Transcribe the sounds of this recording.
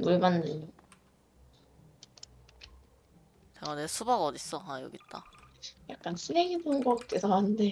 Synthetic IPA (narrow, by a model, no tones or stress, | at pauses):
muɭmanːɯɲo | t͡ɕeɡanesʰubaɡaɔdis͈ʌɦajoɡit̚t͈ajak̚k͈anɕʰileɡibonɡʌk͈esaannde